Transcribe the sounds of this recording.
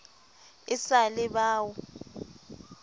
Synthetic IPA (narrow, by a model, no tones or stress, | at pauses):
ɪsalɪɓaːwɔ